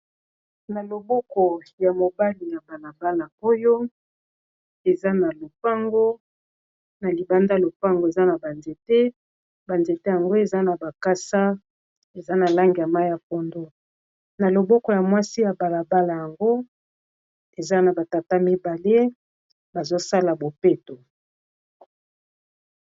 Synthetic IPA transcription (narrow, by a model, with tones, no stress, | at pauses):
na˨lo˨bɔ˦kɔ˨ja˨mo˨ba˦li˨ja˨ba˨la˨ba˦la˨o˦jo˦ | e˨za˦na˨lo˨fa˦ŋɡo˦ | na˨li˨ba˦nda˦˨lo˨fa˦ŋɡo˨e˨za˦na˨ba˨nze˨te˦ | ba˨nze˨te˦ja˨ŋɡo˦e˨za˦na˨ba˨ka˦sa˦ | e˨za˦na˨la˦ŋɡi˨ja˨ma˦ja˨po˨ndo˨ | na˨lo˨bɔ˦kɔ˨ja˨mwa˦si˦ja˨ba˨la˨ba˦la˨ja˨ŋɡo˦ | e˨za˦na˨ba˨ta˨ta˦mi˦ba˨le˦ | ba˨zo˦sa˦la˨bo˨pe˦to˨